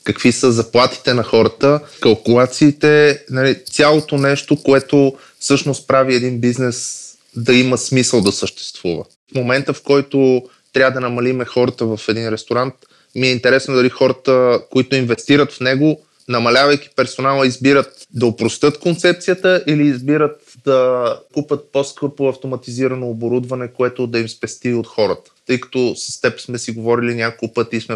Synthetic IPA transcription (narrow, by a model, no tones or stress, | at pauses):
kɐkvisəzɐplˠat̪i̥t̪ɛnɐxɔɾət̪əkɐlˠkʊlˠat̪siːt̪ɛnɐlit̪sʲalˠot̪onɛʃt̪okoɛt̪o | fsɤʃnost̪̚pɾaviɛd̪inbiznɛs | d̪ɐiməsmisəlˠd̪ɐsəʃt̪ɛ̥st̪vuvə̰ | fmomɛnt̪əfkɔjt̪o | t̪ɾʲavəd̪ɐnɐmɐlimɛxɔɾət̪əvɐfɛd̪inɾɛst̪oɾant̪ | miɛint̪ɛɾɛsnod̪ɐlixɔɾət̪əkoit̪oinvɛst̪iɾət̪fnɛɡo | nɐmɐlʲavɐjk̟i̥pɛɾsonalˠəizbiɾət̪̚d̪ɐopɾost̪ɤt̪kont̪sɛp̚t̪sijət̪əʔiliːzbiɾət̪ | d̪ɐkupʲət̪̚poskɤpoɐft̪omɐt̪iziɾənoːboɾud̪vɐnɛkoɛt̪od̪ɐimspɛst̪iot̪xɔɾət̪ə̥t̪ɤjkɐ̥t̪ɔsə̥st̪ɛpsmɛsiɡovɔɾilinʲakolˠpɤt̪ismɛ